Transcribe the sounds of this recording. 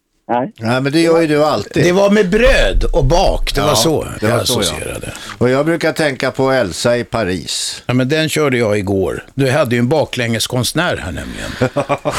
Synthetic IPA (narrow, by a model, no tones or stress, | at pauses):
næɪmɛnd̪ɛjœːɾjəd̪ɵalt̪iːd̪ɛvaɾmɛbɾøːd̪ɔbɑːkd̪ɛvasɔj̪aasɔḛːɾa̰d̪ə̰ɔjɑːɡbɾʉ̟ːkaʈ̪ʰɛŋkapʰɔɛlsaɪpʰaɾḭːsjɑmɛnd̪ɛnɕœːɖəjɑɪɡo̰ːɾd̪ɵɦad̪ːəjɵɛnbɑːklɛŋːəskʰɔnsnæːɾhæ̰ːɳɛ̰mlɪɡə̰n